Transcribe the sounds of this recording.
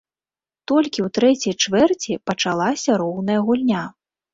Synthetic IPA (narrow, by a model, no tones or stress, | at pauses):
t̪ɔlʲkʲiwt̪ɾɛt͡sʲijt͡ʂvɛrt͡sʲipɐt͡ʂalˠasʲɐɾɔwnɐjɐɣulʲnʲa